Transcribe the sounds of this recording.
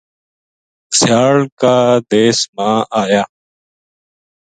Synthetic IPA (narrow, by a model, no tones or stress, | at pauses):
sjaːɭkaːd̪eːsmãːaːjaː